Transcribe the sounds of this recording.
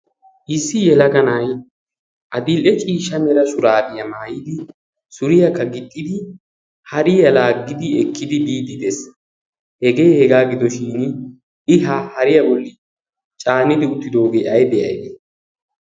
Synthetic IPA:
ʔɪsːɪjɛlɐɡɐnɐj | ʔɐd̪ɪlɛt͡ʃʼiːʃɐmɛɾɐsʊɾaːbɪjɐmaːjɪd̪ɪ | sʊɾɪjɐkːɐɡɪt̪ʼːɪd̪ɪ | hɐɾɪjɐlaːɡɪd̪ɪɛkːɪd̪ɪb̪iːd̪ɪd̪ɛs | hɛɡe̞ːhɛɡaːɡɪd̪ɔʃiːn | ɪɦahɐɾɪjɐbɔlːɪ | t͡ʃʼaːnɪd̪ɪʊt̪ːɪd̪o̞ːɡeːʔɐjd̪ɛʔɐ̰jd̪ɛ

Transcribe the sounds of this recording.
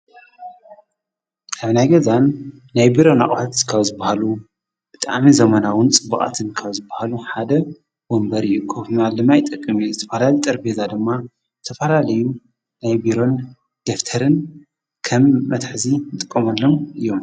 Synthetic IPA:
ʔʰaβnajɡɐzanː | ajbiɾo̞na̰χʼħat̪kʰaβzɨbahalu | b̥ɨt̪ʼa̰ʕmizɐmɐnawɨnt͡sʼɨbːɐχʼa̰t̪ʰɨnkʰɐβzɨbahaluħad̪ɐ | wombɐɾɨjːukʰofmalːɨmajt̪ʼɐkʼːɨmizɨt̪ʰɐfɐlalit̪ʼɐɾbezad̪ɨmːa | zɨt̪ʰɐfɐlalɐju | najbiɾo̞n | d̪̥eft̪ʰɐɾɨn | kʰɐmːɐt̪ħzinɨt̪ʼɨkʼːɐmɐlːo̞mɨjːom

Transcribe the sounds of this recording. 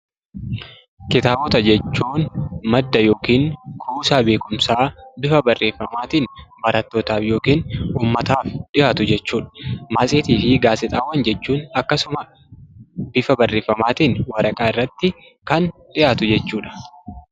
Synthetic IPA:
kɪt̪aːbɔt̪ɐd͡ʒɛt͡ʃːuːnmɐd̪ːɐjo̞ːkiːŋkʰuːsaːbe̞ːkʊmsaːbɪfɐbɐrːʔe̞ːfːɐmaːt̪iːnbɐɾɐt̪ːoːt̪aːfjo̞ːkiːnuːmːɐt̪aːfɗɪjaːt̪ʊd͡ʒɛt͡ʃːuːᶑɐ̥maːsʼeːt̪iːfɪɡaːsɪt̪ʼaːwːɐnd͡ʒɛt͡ʃːuːnɐkːɐsʊmɐ | b̥ɪfɐbɐrːe̞ːfːɐmaːt̪iːnwɐɾɐkʼaːɪrːɐt̪ːɪ | kɐnɗɪjaːt̪ʊd͡ʒɛt͡ʃːuːᶑɐ̥

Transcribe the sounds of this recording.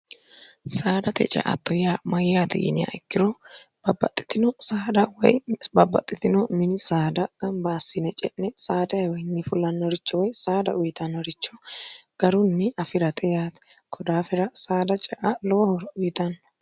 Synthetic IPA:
saːd̪ɐt̪ɛ̰t͡ʃʼɛ̰ʔɐ̰t̪ːɔjamɐjjaːt̪ɛ̰ʔɪ̰nɪja̰ɪkːɪɾɔ | b̥ɐbːɐ̰t̪ʼːɪ̥t̪ɪnɔsaːd̪ɐwɔ̰jbɐbːɐ̰t̪ʼːɪt̪ɪnɔmɪnɪsaːd̪ɐɡ̥ɐmbaːsɪnɛt͡ʃʼɛʔːɛsaːd̪ɐjɐwɔjnːɪfʊlːɐnːɔɾɪt͡ʃːɔwɔjsaːd̪ɐ̰ʔʊjɪt̪ɐnːɔɾɪt͡ʃːɔɡ̥ɐɾʊnːɪʔɐfɪɾɐt̪ʰɛjaːt̪kʰɔd̪aːfɛɾɐsaːd̪ɐt͡ʃʼɛʔalɔwɐhɔɾʊjɪt̪ɐnː

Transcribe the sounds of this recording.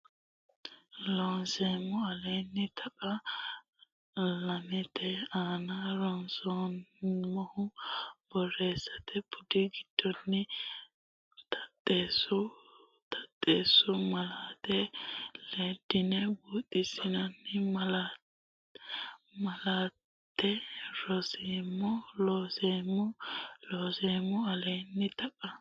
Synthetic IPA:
lɔnsemɔɐlɛjnːɪt̪ʰɐʔɐ | lɐmɛt̪ɛaːnaɾɔnsɔnmɔhʊbɔɾeːsɐt̪ʰɛpʰʊd̪ɪɡɪd̪̥ːɔnːɪ | t̪ʰɐ̥t̪ʼːeːsʊ | t̪ʰɐ̥t̪ʼːe̞ːsːʊmɐlaːt̪ɛleːd̪ːɪnɛbuːt̪ʼːɪsɪnɐnːɪmɐla | mɐlaː | t̪ʰːɛɾɔseːmːʊlɔːseːmʊloːseːmʊɐlenːɪt̪ɐkʼːɐ

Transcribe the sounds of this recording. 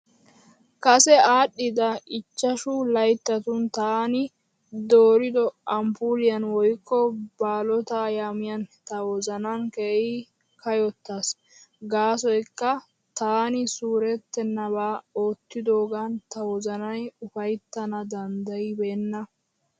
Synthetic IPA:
kɐsɛaːɗːɪd̪ɐɪt͡ʃːɐʃʊlɐjt̪ːɐt̪ʊnt̪aːnɪ | d̪oːɾɪd̪ɔʔɐmpuɾɪjɐnwɔjkːɔbaːlɔt̪aːjaːmɪjɐnt̪ɐwɔzɐnɐŋkeːɪ | kɐjɔt̪ːas | ɡaːs̬ɔjkːɐ | t̪aːnɪsuːɾɛt̪ːɛnːɐbaːoːt̪ːɪd̪o̞ːɡant̪ɐwɔzɐnɐjʊfɐjt̪ːɐnɐd̪ɐnd̪ɐjɪbeːnːɐ

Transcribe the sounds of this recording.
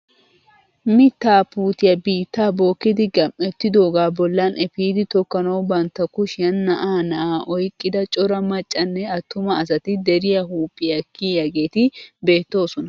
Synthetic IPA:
mɪt̪ːaːpuːt̪ɪjɐbiːt̪ːaːbo̞ːkːɪd̪ɪɡɐmʔɛt̪ːɪd̪oːɡaːbɔlːɐnɛfiːd̪ɪt̪ɔkːɐnɐwbɐnt̪ːɐkʊʃɪjɐnːɐʔaːnɐʔaːʔɔjkʼːɪd̪ɐt͡ʃʼɔɾɐmɐt͡ʃʼːɐnːɛɐt̪ːʊmɐɐsɐt̪ɪd̪ɛɾɪjɐɦuːpʼːɪjɐkːiːjɐɡeːt̪ɪbe̞ːt̪ːo̞ːsɔnɐ

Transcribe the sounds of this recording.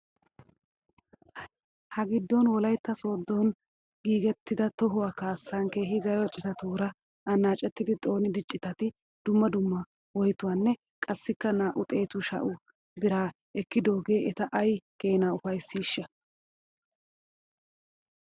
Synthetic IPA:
hɐɡɪd̪ːɔnwɔlɐjt̪ːɐso̞ːd̪ːon | ɡiːɡɛt̪ːɪd̪ɐt̪ɔɦʊwaːkaːsːanke̞ːɦɪɡɐɾɔt͡ʃʼɪt̪ɐt̪uːɾɐ | ɐnːaːt͡ʃʼɛt̪ːɪd̪ɪt̪ʼo̞ːnɪd̪ɪt͡ʃʼːɪt̪ɐt̪ɪ | d̪̥ʊmːɐd̪ʊmːɐ | wɔjt̪ʊwaːnːɛ | kʼɐsːɪkːɐnaːʔʊt̪ʼe̞ːt̪ʊʃɐ̰ʔʊ | bɪɾaː | ɛkːɪd̪o̞ːɡe̞ːɛt̪ɐʔɐjke̞ːnaːʊfɐjsːiːʃːɐ

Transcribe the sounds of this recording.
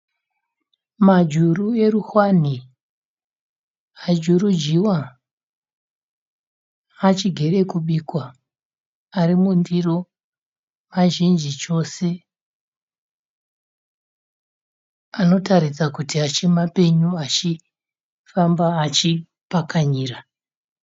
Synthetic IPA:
mad͡ʒurue̞ruxwani | ad͡ʒurud͡ʒiwa | at͡ʃiɡʱe̞ɾe̞kuɓiːkwa | aɾimundiro̞ | maʒind͡ʒit͡ʃo̞se̞ | ano̞taɾisakutiat͡ʃimape̞ɲuat͡ʃi | fambaːt͡ʃi | pakaɲiːɾa

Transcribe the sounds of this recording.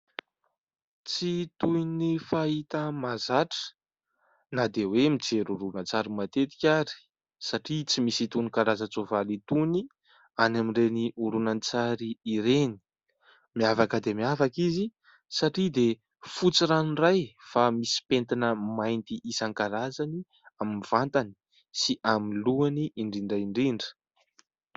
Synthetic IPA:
t͡sit̪ujnifait̪əmazaʈ͡ʂə̥ | nad̪ewemid͡zeɾuɾunat͡saɾimat̪et̪i̥kʲaɾi̥ | saʈ͡ʂit͡simisit̪unikaɾazət͡sovalit̪uni | anamiɳreniʔuɾunant͡saɾiːɾeni̥ | miavakəd̪emiavakizi | saʈ͡ʂid̪e | fut͡siɾanrajfamisi̥pent̪inəmajnt̪iʔisaŋkaɾazani | aminiv̥ant̪ani̥ | siʔamiluaniʔːɳɖ͡ʐiɳɖ͡ʐaiɳɖ͡ʐiɳɖ͡ʐə̥

